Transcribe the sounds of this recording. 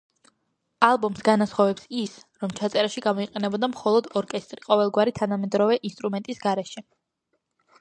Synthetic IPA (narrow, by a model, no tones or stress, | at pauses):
alˠbɔmsɡanasχɔvɛpsisɾɔmt͡ʃʰat̪sʼɛɾaʃiɡamɔiqʼɛnɛbɔd̪amχɔlˠɔd̪ɔɾkʼɛst̪ʼɾiqʼɔvɛlˠɡwaɾit̪ʰanamɛd̪ɾɔvɛʔinst̪ʼɾumɛnt̪ʼisɡaɾɛʃɛ